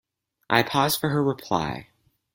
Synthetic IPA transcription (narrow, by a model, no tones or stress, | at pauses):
ʔa̰ɪpʰɔz̥fə˞əɹɪpʰl̥a̰ɪ